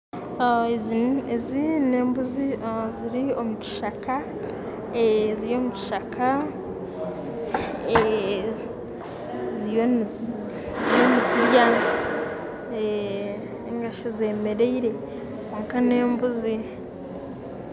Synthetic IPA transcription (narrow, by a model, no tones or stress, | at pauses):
eziezine̞ːmbuziziɾio̞muci̥ʃaka | eziɾjo̞muci̥ʃaka | e | zijo | zijoniziɾja | e | ŋɡaʃeze̞me̞ɾe̞iɾe̞ | oŋkane̞ːmbuzi